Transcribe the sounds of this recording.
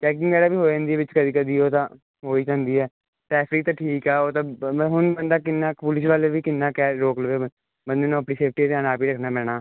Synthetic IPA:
t͡ʃɛːk̬ɪ̃ŋɡɛːɽaːbiːɦoːd͡ʒãːnd̪iːɛːʋɪt͡ʃkəd̪iːkəd̪iːoːt̪ãː | ɦoːiːd͡ʒãːnd̪iːɛː | ʈɛːfɾɪk̚t̪ãːʈʰiːkɛːoːt̪ãːɦʊnbənd̪aːk̬ɪnːaːpʊlɪs̬ʋaːleːʋiːkɪnːaːkɛːɾoːkləʋeː | bənd̪eːnõːəpɽiːseːp̚ʰʈiːt̪ɪaːnaːpiːɾəkʰnaːpɛːɽ̃aː

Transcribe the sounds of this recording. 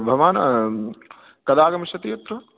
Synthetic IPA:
bʱɐʋaːnɐ | kɐd̪aːɡɐmɐʃɐt̪iːɐt̪ɾɐ

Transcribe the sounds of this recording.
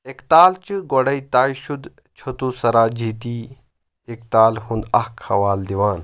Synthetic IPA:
ekt̪aːlt͡ʃɨɡoɽɐit̪aːjʃud̪ | t͡ʃʰɐt̪uːsɐɾaːd͡ʒiːt̪iː | ek̚t̪aːlhũnd̪ɐhkʰhɐʋaːld̪iʋaːn

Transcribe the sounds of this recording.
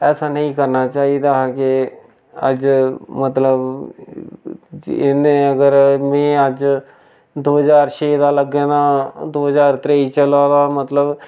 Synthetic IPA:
ɛːsaːnəĩːkəɾnaːt͡ʃaːiːd̪aːkɪ | ə̰d͡ʒmət̪ləb | ɪnẽːəɡəɾmɛ̃ːəd͡ʒ | d̪oːɦəzaːɾʃeːd̪aːləɡẽːnaːd̪oːɦəzaːɾt̪ɾeːiːt͡ʃəlaːd̪aːmət̪ləb

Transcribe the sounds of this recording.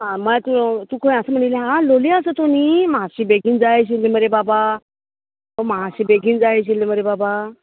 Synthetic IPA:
ɦãməlat̪ut̪uːkʰõĩəsəːm̤əɳ̃ileɦãloleəsət̪oniːməaɕiːbeɡiːnd͡zaeɕileməɾebaba | əmaɦaɕiːbeɡiːnd͡zaeɕ̬ilːeməɾebaba

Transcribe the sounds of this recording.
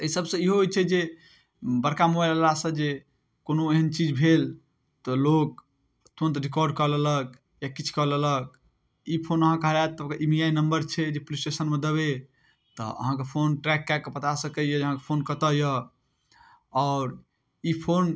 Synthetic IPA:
əisəbsə̃iɦoojt͡ʃʰɛd͡ʒe | bəɾkamobalalasə̃d͡ʒe | konoeɦənt͡ʃid͡ʒbʱel | t̪ɔlok̚ | t̪uənt̪ɾikɔɾɖ̚kəɦlələk̚ | jakit͡ʃʰkəɦlələk̚ | ipʰonəɦãkəɦlat̪ːəbkeʔimijainəmbəɾt͡ʃʰɛd͡ʒepulisʈesənmẽd̪əβe | t̪ɔ̰ə̰ɦãkepʰonʈɾɛkːakːepət̪asəkəjəd͡ʒəɦãkepʰonkət̪əjə | ɔʊɾ | ipʰon

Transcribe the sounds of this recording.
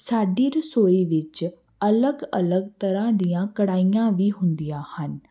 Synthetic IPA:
saːɖiːɾəsoːiːʋɪt͡ʃ | ələɡə̰ləɡt̪əɾãːd̪ɪjãːkəɽaːijãːʋiːɦʊnd̪ijãːhən

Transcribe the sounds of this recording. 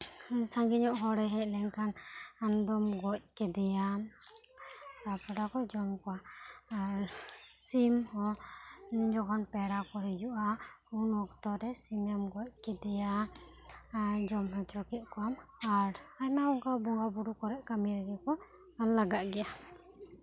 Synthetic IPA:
saŋɡiɲɔʔɦɔɾɛɦɛc̚lɛŋkanand̪ɔmɡɔc̚kɛd̪ɛjam | tapɛɾakɔd͡ʒɔmkɔwaː | ɾsimhɔ | d͡ʒɔkɔnpɛɾakɔɾɛd͡ʒuʔa | unɔk̚t̪ɔɾɛsiɲɛmɡɔc̚kɛd̪ɛja | d͡ʒɔmɦat͡ʃɔkɛʔ̪̚kɔamaɾajmaɔŋkabɔŋɡabuɽukɔɾɛʔkamiɾɛɡɛkɔ | anlaɡaʔ̚ɡɛja

